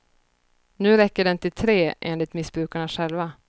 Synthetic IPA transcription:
nʉ̟ːɾɛkːəɖɛnt̪ʰɪlt̪ʰɾeːʔeːnlɪt̪mɪsb̥ɾʉ̟ːkaɳaɧɛlva

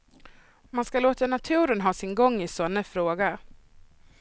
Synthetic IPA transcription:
manskaloːt̪anat̪ʰʉ̟ːɾənɦɑːsɪnɡɔŋːɪsɔnːəfɾoːɡa

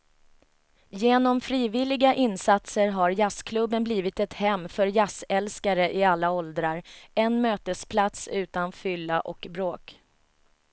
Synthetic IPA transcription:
jeːnɔmfɾiːvɪlɪɡaʔɪnsat̪səɾɦaɾjaskʰlɵbːənbliːvɪt̪ɛt̪hɛmːfœɾjasɛlskaɾəʔɪalːaɔld̪ɾaɾɛnmøːt̪əspʰlat̪sʉ̟ːt̪anfʏlːaʔɔkbɾoːk

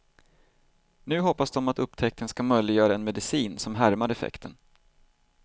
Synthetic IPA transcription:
nʉ̟ːɦɔpːasd̪ɔmat̪ɵpːt̪ʰɛk̚t̪ʰənskamœjlɪɡjœːɾaɛnmɛd̪ɪsiːnsɔmɦæɾmaɾɛfɛ̰kt̪ʰən

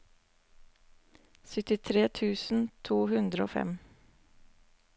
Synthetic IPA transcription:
sʏt̪ɪt̪ʰɾeːt̪ʰʉːsn̩t̪ʰuːɦʉnd̪ɾəoːfɛ̰m

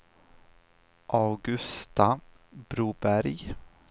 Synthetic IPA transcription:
ʔaʊɡɵst̪a | bɾuːbæɾj

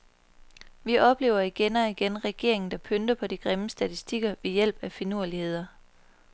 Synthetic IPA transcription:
ʋiʔɒ̽b̥le̝ːʊ̰ɐiɡ̥enɒiɡ̥enʁɛɡ̥e̝ɐe̝ŋn̩d̥ɑ̈pʰønd̥ɐpʰɒ̽d̥iɡ̥ʁeməsd̥æt͡sʰisd̥iɡ̥ɐʋe̝jel̰b̥æfinuɐ̰lihe̝ð̞̰ˠɐ

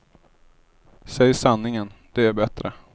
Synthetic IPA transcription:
sɛjsanːɪŋənd̪̥ɛæɾbɛt̪ɾə

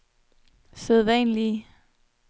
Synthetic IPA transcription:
seð̞ˠʋɛnli

